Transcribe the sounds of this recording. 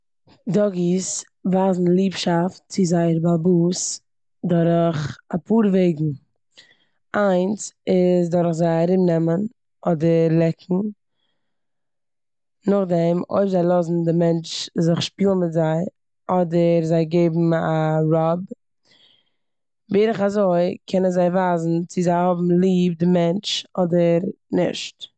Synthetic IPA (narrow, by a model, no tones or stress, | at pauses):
dɔɡis | vaːzn̩lˠiːpʃaftt͡sɪzaɪəɾbabus | dɔɾəχapʰuːɾveɪɡŋ̩ | ʔaɪnsɪsdɔɾχzaɪaɾɪbnɛmən | ɔdəɾlˠɛkʰŋ̩ | nʊχdɛmo̰ɪpzaɪlˠɔzn̩dɪmɛnt͡ʃzɪχʃpiːlˠnmɪtzaɪ | ɔdəɾzaɪɡeɪbm̩aɾɔb | veːɾəχazoɪkʰɛnənzaɪvaːzn̩t͡sɪzaɪhɔbm̩lˠiːb̚dɪmɛnt͡ʃɔdəɾ | nɪ̰ʃt